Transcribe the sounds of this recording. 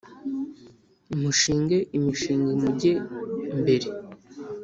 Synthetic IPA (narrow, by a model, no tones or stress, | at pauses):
imuʃiːŋɡeʔimuʃiːŋɡemuɟembe̞ɾe